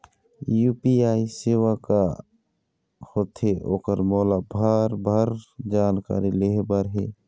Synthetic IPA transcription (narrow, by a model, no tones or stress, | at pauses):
juːpiaːiseːwaka | hot̪ʰɦeʔoːkəɾmɔːlabʱaɾbʱəɾd͡ʒaːnka̰ːɾileɦbaɾɦeː